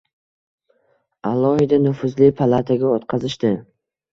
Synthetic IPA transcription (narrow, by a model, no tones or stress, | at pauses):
alˠːɒhɪd̪anʊfʊzlɪpʰalˠat̪ʰaɡʲaɔt̪qʰɑzɪʃt̪ɪ